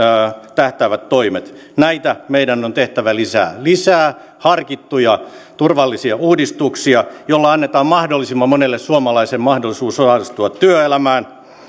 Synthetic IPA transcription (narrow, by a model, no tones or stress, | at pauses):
t̪æht̪æːʋæt̪toimet̪ | næit̪æmeidænːont̪eht̪æʋælisæ̰ːlisæː | hɑrkit̪ːujɑt̪urʋɑlːisiɑuːdist̪uksiɑjolːɑɑnːet̪ɑːmmɑhdolːˑisimːɑmonelːessuomɑlɑisemmɑhdolisuːsosɑlːˑist̪uɑt̪tyøelæmæːn